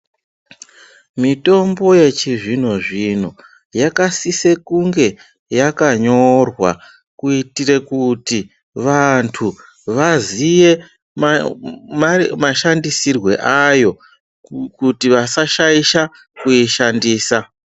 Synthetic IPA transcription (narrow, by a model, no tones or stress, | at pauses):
mito̞mbo̞je̞t͡ʃiʐin̤oʐin̤o | jakasise̞kuŋɡe̞ | jakaɲo̞rwa̰ | kuitire̞kuti | ʋantʰu | ʋazije̞ | maʃandisirwe̞̰ʔajo̞ | kutiʋasaʃaiʃa | kuiʃandiːsa